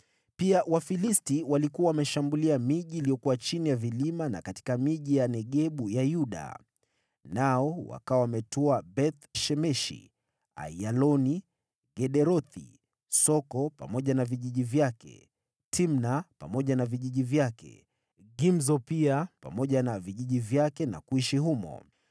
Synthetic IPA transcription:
piawafilistiwalikuawamɛʃambuliamiʄiːlijɔkuwat͡ʃinijavilimana̰kati̥kamiʄijanɛɠɛɓujajuɗa̰ | naɔwa̰kawawamɛtɔabɛt̪ʃɛmɛʃḭ | a̰jalɔni | ɡɛɗɛɾɔθḭ | sɔkɔpa̰mɔʄanaviʄiʄivjakɛ̰ | tʰimnapamɔʄanaviʄiʄivjakɛ̰ | ɡimzɔpiapa̰mɔʄanaviʄiʄivjakɛna̰kuiʃiɦumɔ̰

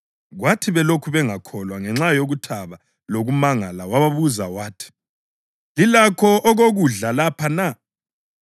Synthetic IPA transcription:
ɣwatʰiβɛlokʰuβɛŋakʰɔlwaŋɛŋ͡ǁajoɣutʰaβa | loɣumaŋalawaβaβuzawaːtʰi̥ | lilakʰɔʔɔɣoɣuɮalapʰana

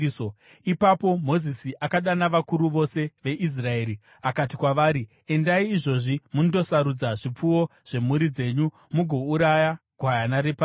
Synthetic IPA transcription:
o | ipapo̞mo̞zisiʔakaɗanaʋakuɾuʋo̞se̞ʋe̞ʔis̬rae̞ːɾi | akatikwaʋaːɾi | e̞ndaiːʐo̞ʐimunoto̞saɾud͡zaʐip͡fuwo̞ʐ̥e̞muɾid͡ze̞ɲu | muɡʱo̞uɾajaɡ̥ʱwajanaɾepa

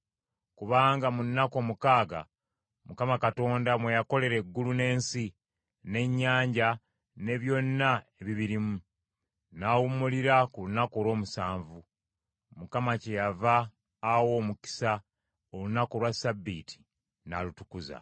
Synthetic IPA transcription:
kuβaːŋɡamunːako̞ːmukaːɡa̰ | mukamakato̞ːndamwe̞jako̞le̞ɾe̞ɡːulune̞ːnsi | ne̞ɲːaːɲɟa | ne̞βjo̞nːaeβiβiɾimu | naːwumuliɾakulunako̞lwo̞ːmusaːɱvu | mukamacejavaː | wo̞ːmuki̥sa | olunako̞lwasabitʰi̥ | na̰lutu̥kuza̰

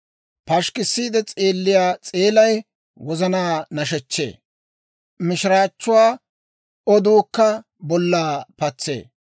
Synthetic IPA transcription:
pɐʃkɪsːiːd̪ɛt͡sʼeːlːɪjaːt͡sʼeːlɐj | wɔzɐnaːnɐʃɛt͡ʃːe̞̰ː | mɪʃɪɾaːt͡ʃːʊwaː | ɔd̪uːkːɐ | bɔlːaːpɐt͡sːe̞̰ː

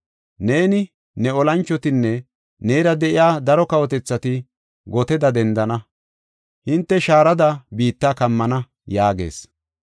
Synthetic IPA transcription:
ne̞ːnɪ | nɛɔlɐnt͡ʃːɔt̪ɪnːɛ | neːɾɐd̪ɛʔɪjaːd̪ɐɾɔkɐwɔt̪ɛt͡sːɐt̪ɪ | ɡɔt̪ɛd̪ɐd̪ɛnd̪ɐnɐ | hɪnt̪ːɛʃaːɾɐd̪ɐbiːt̪ːaːkɐmːɐnɐ | jaːɡe̞̰ːs

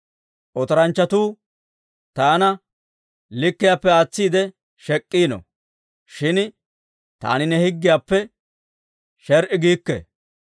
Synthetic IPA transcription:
ʔɔt̪ɔɾɐnt͡ʃːɐt̪uː | t̪aːnɐ | lɪkːɪjaːpːɛaːt͡sːiːd̪ɛ | ʃɛkʼːiːnɔ̰ | ʃɪn | t̪a̰ːnɪnɛhɪɡːɪjaːpːɛ | ʃɛɾʔɪɡiːkːɛ̰

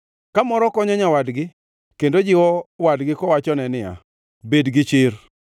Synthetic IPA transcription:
kamɔɾɔkɔɲɔɲawadɡɪ | kendod͡ʒɪwɔwadɡɪkɔwat͡ʃɔnɛnɪja̰ | bedɡɪt͡ʃɪr

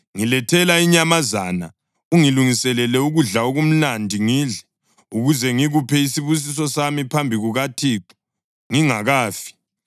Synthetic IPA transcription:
ŋilɛtʰɛlaiɲamazana̰ | uŋiluŋisɛlɛlɛuɣuɮaoɣum̩nandʱiŋiːɮɛ | uɣuzɛŋiɣupʰɛisiβus̬is̬ɔsamipʰambʱiɣuɣatʰiːǃu̥ | ŋiŋaɣaːfi̥

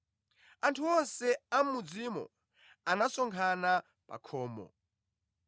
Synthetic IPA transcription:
antʰuɔnsɛam̩mud͡zimɔ̰ | anasɔŋkʰana | pa̰kʰɔːmɔ̰

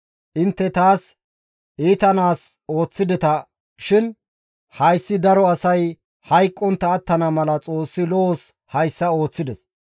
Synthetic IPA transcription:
ʔɪnt̪ːɛt̪aːs | ʔiːt̪ɐnaːs | o̞ːt͡sːɪd̪ɛt̪ɐ | ʃɪn | hɐjsːɪd̪ɐɾɔɐsɐj | hɐjkʼːɔnt̪ːɐːt̪ːɐnɐmɐlɐt͡sʼo̞ːsːɪlɔos | hɐjsːɐo̞ːt͡sːɪd̪ɛs

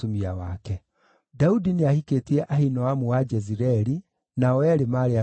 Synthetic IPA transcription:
omiawakɛ | daudineahiketiɛʔahinɔwamuwad͡ʒɛziɾɛɾi | naɔwɛɾemaɾea

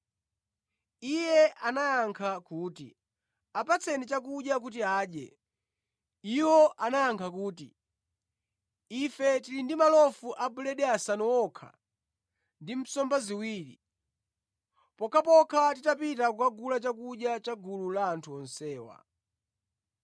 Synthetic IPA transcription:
ijɛʔanajaŋkʰakuːtḭ | apat͡sʰɛnit͡ʃak̬uɗjak̬utiaːɗɛ̰ | iwɔʔanajaŋkʰakuːtḭ | ifɛtiɾindimalɔfuʔabulɛɗɛasanɔwɔkʰa̰ | ndim̩sɔmbaziwiːɾḭ | pɔkʰapɔkʰatitapitakukaɡulat͡ʃakuɗjat͡ʃaɡululaːntʰuɔnsɛːwa̰

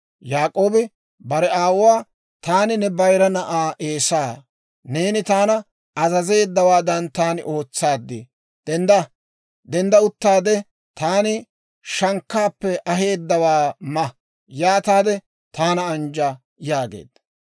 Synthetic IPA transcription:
jaːkʼo̞ːbɪ | bɐɾɛaːwʊwaː | t̪aːnɪnɛbɐjɾɐnɐʔaːʔe̞ːsaː | ne̞ːnɪt̪aːnɐ | ɐzɐze̞ːd̪ːɐwaːd̪ɐnt̪aːnɪ̰ʔo̞ːt͡sːaːd̪ːɪ | d̪̥ɛnd̪ɐ | d̪ɛnd̪ɐʊt̪ːaːd̪ɛ | t̪aːnɪ | ʃɐŋkːaːpːɛʔɐɦe̞ːd̪ːɐwaːmɐ | jaːt̪aːd̪ɛ | t̪aːnɐːnd͡ʒa | jaːɡḛːd̪̥

